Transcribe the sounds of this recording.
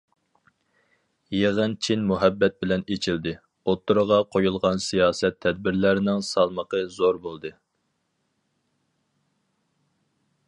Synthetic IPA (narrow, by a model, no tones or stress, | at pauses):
jeʁɨnt͡ʃʰinmuɦɛbːɛt̪̚bɪlɛnet͡ʃʰild̪ɪ | ot̪ʰːuɾəʁɑqʰojulˠʁɑnsijɑːsɛt̪ʰːɛd̪̚bɪɾlæɾɪnɪŋsɑlˠməqʰəzoɾbolˠd̪ɨ